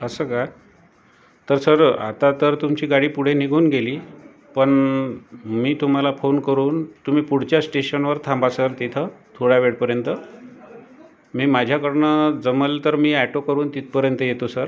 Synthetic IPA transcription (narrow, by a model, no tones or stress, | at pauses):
əsəka | t̪əɾsəɾa̰t̪at̪əɾt̪umt͡ɕiːɡaɽiːpuɽ̤eniɡʱuːnɡeliː | pəɳ | miːt̪um̤alafonkəɾuːnt̪um̤iːpuɽ̤t͡ɕjasʈeɕənʋəɾt̪ʰãmbasəɾt̪it̪ʰət̪ʰoɽjaʋeɽpəɾjənt̪ə | miːmad͡ʑʱjakəɾɳəd͡zəməlt̪əɾmiːæʈokəɾuːnt̪it̪̚pəɾjənt̪əjet̪osəɾ